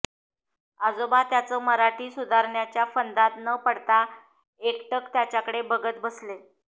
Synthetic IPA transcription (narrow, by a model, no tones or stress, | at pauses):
ad͡zobat̪jat͡səːməɾaʈiːsud̪ʱaɾɳjat͡ɕjafənd̪at̪nəpəɽt̪a | ekʈəkt̪jat͡ɕjakəɽebəɡət̪̚bəsle